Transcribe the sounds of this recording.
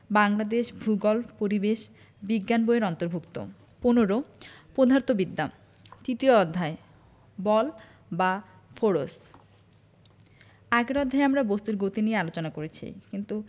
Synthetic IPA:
baŋlad̪eʃbʱuɡolpoɾibeʃ | biɡːanboeɾɔnt̪oɾbʱukt̪o̰ | ponoɾopod̪ʱaɾt̪obid̪ːa | t̪ɾit̪ioɔd̪ʱːae | bɔl | ba | fʰoɾos | aɡeɾɔd̪ʱːaeamɾabost̪uɾɡot̪iniealot͡ɕonakoɾet͡ɕʰḭkint̪u

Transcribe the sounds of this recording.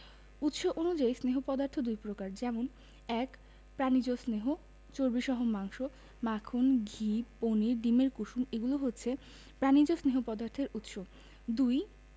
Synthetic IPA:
ut̪ʃoʔonud͡ʑaisneɦopɔd̪aɾt̪ʰod̪ujpɾokaɾd͡ʑɛmon | ɛk | pɾanid͡ʑosneɦo | t͡ɕoɾbiʃɔɦomaŋʃo | makʰonɡʱiponiɾɖimeɾkuʃumeɡuloɦotːɕʰe | pɾanid͡ʑosneɦopɔd̪aɾt̪ʰeɾut̪ʃo | d̪uj

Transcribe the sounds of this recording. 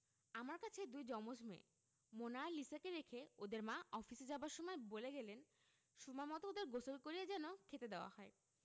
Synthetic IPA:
amaɾkat͡ɕʰed̪ujd͡ʑɔmod͡ʑmḛ | monalisakeɾekʰeod̪eɾmãɔfised͡ʑabaɾʃɔmɔeboleɡɛlen | ʃumamɔt̪ood̪eɾɡosolkoɾijed͡ʑɛnokʰet̪ed̪eoa̰hɔe

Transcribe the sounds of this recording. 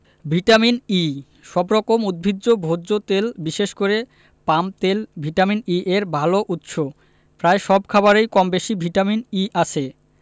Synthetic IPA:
bʱiʈamini | ʃɔbɾɔkomud̪̚bʱidːobʱod͡ʑot̪elbiʃeʃkoɾe | pamt̪elbʱiʈaminiʔeɾbʱaloʔut̪ʃo | pɾaeʃɔbkʰabaɾejkɔmbeʃibʱiʈaminiʔat͡ɕʰe

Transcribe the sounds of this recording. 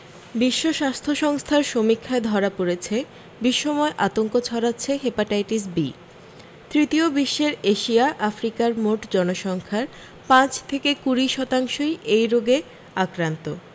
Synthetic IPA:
biʃːoʃast̪ʰoʃɔŋst̪ʰaɾʃomikʰːaed̪ʱɔɾapoɾet͡ɕʰe | biʃːomɔeʔat̪oŋkot͡ɕʰɔɾatːɕʰeɦepaʈajʈisbḭ | t̪ɾit̪iobiʃːeɾeʃiaʔafɾikaɾmoʈd͡ʑɔnoʃɔŋkʰaɾ | pãt͡ɕt̪ʰekekuɾiʃɔt̪aŋʃojejɾoɡe | akɾant̪o

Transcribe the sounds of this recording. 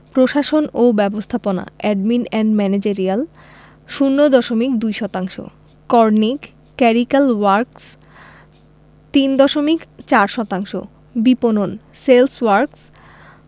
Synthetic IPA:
pɾoʃaʃonobɛbost̪ʰapona̰ɛɖminɛɳɖmɛned͡ʑeɾial | ʃunːod̪ɔʃomikd̪ujʃɔt̪aŋʃo̰ | kɔɾnikː | ɛɾikalwaɾks | t̪ind̪ɔʃomikt͡ɕaɾʃɔt̪aŋʃo̰ | bipononselswaɾks

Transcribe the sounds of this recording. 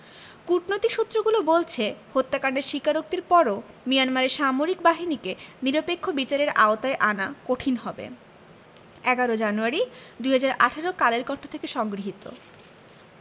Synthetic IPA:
kuʈnot̪iʃut̪ːɾoɡulobolt͡ɕʰehot̪ːakaɳɖeɾʃikaɾok̚t̪iɾpɔɾo | mijanmaɾeɾʃamoɾikbaɦinikeniɾopekʰːobit͡ɕaɾeɾaot̪aeʔanakoʈʰinɦɔbḛ | ɛɡaɾod͡ʑanuaɾid̪ujɦad͡ʑaɾa̰ʈʰaɾokaleɾkɔɳʈʰo̥t̪ʰekeʃɔŋɡɾiɦit̪o̰

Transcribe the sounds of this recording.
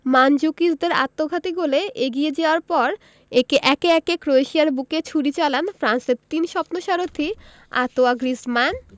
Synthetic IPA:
mand͡ʑukisd̪eɾa̰t̪ːoɡʱat̪iɡoleʔeɡied͡ʑeoaɾpɔɾ | ekeʔɛkeɛkekɾoeʃiaɾbuket͡ɕʰuɾit͡ɕalanfɾanseɾt̪inʃɔpnoʃaɾot̪ʰi | a̰t̪oaɡɾisman

